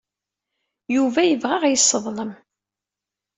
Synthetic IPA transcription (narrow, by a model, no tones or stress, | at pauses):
juvæjəvʁaʁjəsˤːəðˤləm